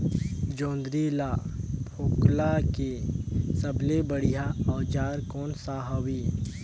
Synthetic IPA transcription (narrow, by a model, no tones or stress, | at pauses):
d͡ʒõːnd̪ɾilapʰoːklakesəblebəɽijaɔːd͡ʒaːɾkɔːnsaːɦawi